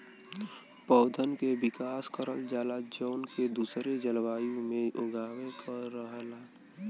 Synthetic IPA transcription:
pɔʊd̪ʱənkebɪkaːskəɾəld͡ʒaːlad͡ʒoːnked̪uːsɾed͡ʒəlʋaːjõmẽʔoɡʱaːʋekəɾəɦəlaː

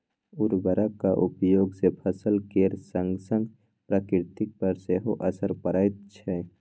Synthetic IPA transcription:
ʊɾbəɾakaʔʊpjoːɡsepʰəsəlkeɾsə̃ŋɡsə̃ŋɡ | pɾaːkɪɾt̪ɪk̚pəɾseɦoʔəsəɾpəɾajt̪̚t͡ʃʰɛ

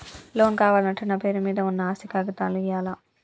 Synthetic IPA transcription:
loːnkaːʋaːlɐʈːɐnːɐpe̞ːɾumiːd̪ɐunːɐaːsikaːɡɐt̪aːnluijaːla

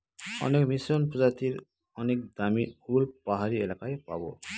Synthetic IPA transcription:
ɔ̰nekmisɔnpɔzat̪iɾ | ɔnek̚d̪amiulpaɦaɾielakajpa̰bɔ̰

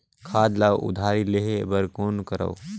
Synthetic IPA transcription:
kʰaːd̪lawʔṵd̪ʱaɾileɦebəɾkoːnkəɾə̰w

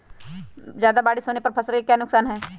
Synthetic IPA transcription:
zjaːd̪abaːɽisoːnepɐɾpʰɐsəlkekjaːnʊksaːnɦɛ̃ː

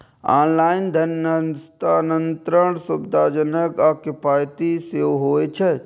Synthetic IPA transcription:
aːnlaːɪnd̪ʱɐnst̪aːnənt̪ɾəɳ̃sʊbd̪ʱaːd͡ʒənəkaːkɪpaːjt̪iseɦoːet͡ʃʰɛ

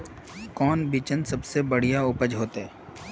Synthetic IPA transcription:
kɔːnbit͡ʃənsɐbsebɐɽ̤ijaʊpəd͡ʒɦoːt̪eɛː

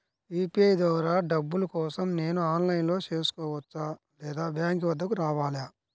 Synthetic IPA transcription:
iːpiɐjd̪ɔːɾaːɖɐbːulɐkɔːsɐmne̞ːnuaːnlɐjnlo̞ːt͡ʃe̞ːsu̥kɔːʋɐt͡ʃːaː | lɛːd̪aːbjaːŋkʋɐd̪ːɐkuɾaːʋaːljaː

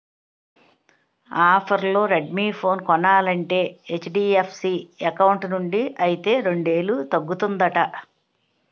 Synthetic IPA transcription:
aːpʰɐɾlo̞ːɾeɖ̚miːpʰo̞ːnkɔnaːlɐɳʈe̞ːet͡ʃːɖiːepʰsiːɐkɐwuɳʈnuɳɖiʔɐjit̪e̞ːɾe̞ɳɖe̞ːlut̪ɐɡːut̪und̪ɐʈɐ

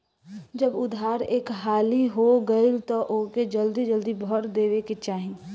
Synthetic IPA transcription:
d͡ʒəbʊd̪ʱaːɾeːkɦaːliɦoɡəilt̪ɔʔoːked͡ʒəld̪id͡ʒəld̪ibʱɔɾd̪eːʋeket͡ʃaːɦĩ

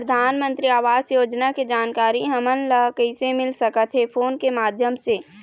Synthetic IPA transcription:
ɾəd̪ʱaːnmə̃nt̪ɾiaːʋaːzjoːd͡ʒnaked͡ʒaːnkaːɾiɦɐmənləkəɪsemɪlsəkət̪ɦɛpʰoːnkemaːd̪ʱjəmseː

